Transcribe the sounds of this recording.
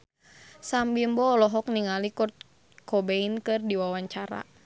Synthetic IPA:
sambimbɔːlɔɦɔk̚niŋalikɔrt̪̚ | kɔbeinkɨrdiwawaɲt͡ʃaɾa̰

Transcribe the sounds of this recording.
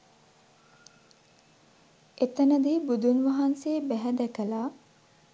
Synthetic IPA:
et̪ɐnəd̪iːbud̪unʋɐɦanseːbæɦɛd̪ɛkəlaː

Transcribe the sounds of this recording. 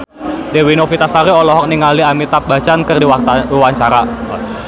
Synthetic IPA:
dewinofit̪asaɾiɔlɔɦɔk̚niŋaliamit̪ap̚bat͡ʃankərdiwat̪aiwaɲt͡ʃaɾa

